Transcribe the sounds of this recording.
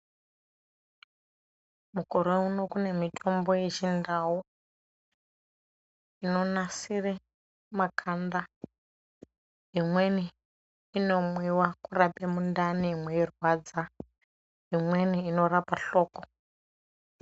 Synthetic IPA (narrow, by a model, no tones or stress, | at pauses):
muko̞ɾouno̞kune̞mitʰo̞mbo̞jeʒindawu | ino̞nasire | makʰanda | imwe̞niː | no̞mwiwakurapemundanimwejerwad͡za | imwe̞niːno̞ɾapaɬo̞ːko